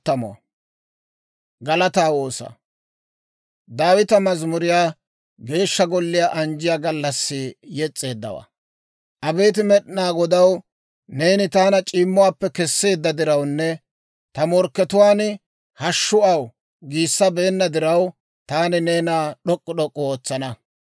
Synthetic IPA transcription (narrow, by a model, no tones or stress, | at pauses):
t̪ːɐmɔ̰ | ɡɐlɐt̪aːwoːsɐ̰ | d̪aːwɪt̪ɐmɐzmʊɾɪjaː | ɡe̞ːʃːɐɡɔlːɪjaːʔɐnd͡ʒɪjaːɡɐlːɐsːɪjɛt͡sʼːe̞ːd̪ːɐ̰wɐ̰ | ʔɐbe̞ːt̪̬ɪmɛɗnaːɡɔd̪ɐw | ne̞ːnɪt̪aːnɐt͡ʃʼiːmːʊwaːpːɛkɛsːe̞ːd̪ːɐd̪ɪɾɐwnːɛ | t̪ɐmɔɾkːɛt̪ʊwaːnɪ | hɐʃːʊɐw | ɡiːsːɐbe̞ːnːɐd̪ɪɾɐw | t̪aːnɪne̞ːnaːɗɔkʼːɔɗɔkʼːɔoːt͡sːɐnɐ